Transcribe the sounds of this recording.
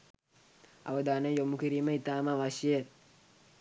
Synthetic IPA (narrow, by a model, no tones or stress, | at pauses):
a̰ʋəd̪aːnəjomukiɾiːməit̪aːmaʋaʃeje